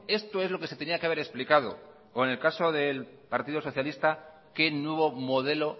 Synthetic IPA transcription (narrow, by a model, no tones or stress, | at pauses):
e̞st̪o̞ezlo̞kese̞t̪e̞niakeaβe̞ɾe̞splikað̞o̞̰ | oene̞lkaso̞ðe̞l | paɾt̪iðo̞so̞θjalist̪a | ke̞nwe̞β̞o̞mo̞ð̞e̞lo̞